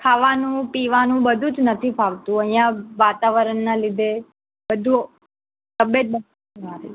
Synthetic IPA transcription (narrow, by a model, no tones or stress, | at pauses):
pʰaʋanũpiʋanũbəd̪ʱũd͡ʒnət̪ʰipʰaʋt̪ũəɦj̃jãʋat̪aʋəɾəɳːalid̪ʱe | bəd̪ʱu | t̪əbjət̪̚bən | a